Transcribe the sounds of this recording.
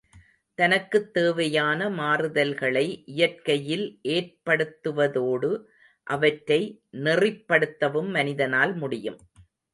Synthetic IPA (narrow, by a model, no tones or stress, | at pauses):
t̪ɐnɐkːɯt̪ːeːʋɐjaːnɐmaːrɯðɐlɣɐɭɐɪʔɪjɐrkɐjɪlʔeːrpɐɽɯt̪ːɯʋɐðoːɽɯ | ʔɐʋɐʈɾɐɪnɪrɪpːɐɽɯt̪ːɐʋɯmːɐnɪðɐnaːlmʊɽɪjɯm